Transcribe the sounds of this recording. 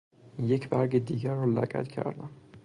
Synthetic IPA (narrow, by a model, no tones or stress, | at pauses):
jecʰbæɾɡed̪iːɡæɾːɒlæ̰ɡæ̰t̪cʰæ̰ɾd̪æm